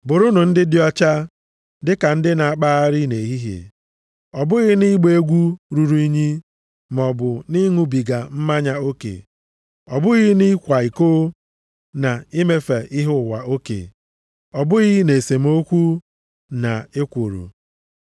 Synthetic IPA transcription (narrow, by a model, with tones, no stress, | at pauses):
bʊ˨ɾʊ˦nʊ˨n̩˦dɪ˦dɪ˦ɔ˦t͡ʃa˦ | dɪ˦ka˨n̩˦dɪ˦na˨a˨k͡pa˦a˦ɾɪ˦ne˨ɦi˦ɦḛ˨ | ɔ˨bʊ˦ɣɪ˦ni˦ɡ͡be˦ɡʷu˦ɾu˨ɾu˦i˦ɲi˦ | m˨ɔ˨bʊ˨ni˦ŋu˦bi˨ɡa˨m̩˦ma˦ɲa˦o˦kḛ˨ | ɔ˨bʊ˦ɣɪ˦ni˦kʷa˨i˨ko˦ | na˨i˦me˦fe˨ʔɪ˦ɦʊ˦˨wa˨o˦kḛ˨ | ɔ˨bʊ˦ɣɪ˦ne˨se˨m̩˦o˦kʷu˦ | na˨e˦kʷo˨ɾṵ˨